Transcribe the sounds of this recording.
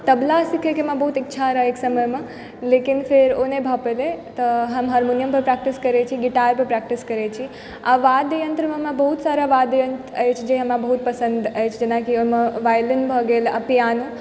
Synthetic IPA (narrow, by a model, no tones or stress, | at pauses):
t̪əblasikʰekemãbəɦut̪itːʃʰaɾəɦeksəməjme | lekinpʰeɾonebʱəpelet̪əɦəmɦaɾmunijəmpəɾpɾak̚ʈiskəɾɛt͡ʃʰiɡiʈaɾpəɾpɾak̚ʈiskəɾɛt͡ʃʰi | aʋad̪jənt̪ɾəmemãbɐɦut̪saɾaʋad̪jənt̪əjt͡ʃʰd͡ʒeɦəmɾabəɦut̪̚pəsə̃nd̪əjt͡ʃʰd͡ʒenakiomeʋajlinbʱəɡeləpijan